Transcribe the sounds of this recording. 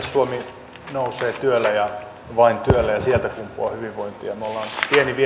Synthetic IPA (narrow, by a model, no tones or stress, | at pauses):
suomi | nouseːt̪yølːæjɑ | ʋɑint̪yølːæjɑsielt̪ækumpːˑuɑ̰hyʋiʋʋoint̪ˑijɑmeolːɑːnpieniʋi